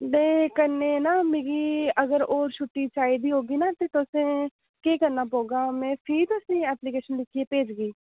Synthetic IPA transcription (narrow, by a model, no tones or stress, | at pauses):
deːkənːeːnaːmẽɡiːəɡəɾoːɾʃʰʊʈːiːt͡ʃaːiːd̪iːɦoːɡiːnaːt̪eːt̪ʊsẽː | keːkənːãːpoːɡaːmɛ̃ːpʰiːt̪ʊsẽːɛːpliːkeːʃənlɪkʰieːpeːd͡ʒɡiː